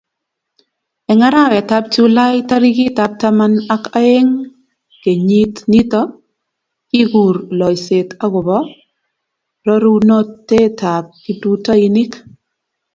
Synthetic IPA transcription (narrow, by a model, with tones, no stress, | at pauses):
ɛ˨ŋa˦ɾa˦˨wɛ˨ta˦p̚t͡ʃu˦la˦jta˦ɾi˦ki˦ta˨˦p̚ta˦ma˦na˦ka˦e˦ŋ | ke˨ɲi˦tni˦tɔ˦ | ki˦ɡu˨ɾlɔ˨jse˨ta˦ɣʊ˨bɔ˦ | ɾɔ˦ɾu˦nɔ˦tːe˦ta˨p̚ki˦tu˦ta˦i˦ni˦k